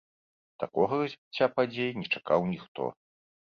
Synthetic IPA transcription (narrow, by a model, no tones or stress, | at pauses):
t̪akɔɣɐɐzʲbʲit͡sʲːapad͡zʲejinʲɛt͡ʂakawnʲixt̪ɔ̰